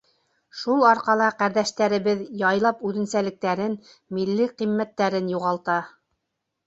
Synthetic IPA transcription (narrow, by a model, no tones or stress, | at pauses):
ʃulˠɑɾqɑlˠɑqæɾðæʃt̪æɾɘ̆βɘðjɑjlˠɑpʉðɘ̆nsælɘ̆k̚t̪æɾɘn | milːiqimːæt̪ːæɾɘnjuʁɑlˠt̪ɑ